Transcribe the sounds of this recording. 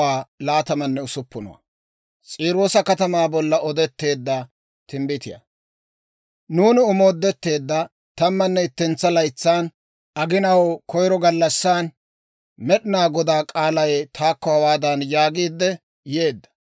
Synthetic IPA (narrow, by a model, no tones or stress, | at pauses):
aːlaːt̪ɐmɐnːɛʊsʊpːʊnɔ̰wɐ̰ | t͡sʼiːɾo̞ːsɐkɐt̪ɐmaːbɔlːɐɔd̪ɛt̪ːe̞ːd̪ːɐ | t̪ɪmbɪt̪ɪjɐ̰ | nuːnɪɔmo̞ːd̪ːɛt̪ːe̞ːd̪ːɐ | t̪ɐmːɐnːɛɪt̪ːɛnt͡sːɐlɐjt͡sːaːn | ɐɡɪnɐwkʰɔjɾɔɡɐlːɐsːaːn | mɛɗɪnaːɡɔd̪aːkʼaːlɐjt̪ʰaːkːɔhɐwaːd̪ɐnjaːɡiːd̪ːɛ | je̞ːd̪ːɐ̥